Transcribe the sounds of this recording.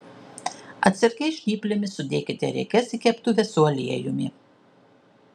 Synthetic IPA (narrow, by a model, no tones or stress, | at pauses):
ɐ̰t̪ʲsʲɪɾʲkʲɛɪʃʲtʲiːpʲlʲɪmʲɪsʊd̪ʲeːkʲɪt̪ʲɛɾʲɛ̰kʲɛsɪkʲɛpt̪ʊʋʲɛsuɐlʲiɛjʊmʲɪ̰